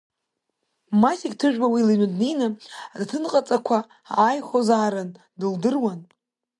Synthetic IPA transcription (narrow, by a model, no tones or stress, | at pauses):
masiktʰɨʒᶣbawilinʷɨdnijnɨadtʰɨnqʼat͡sʼakʷʰa | a̰jχʷozaːɾɨn | dɨldɨrwan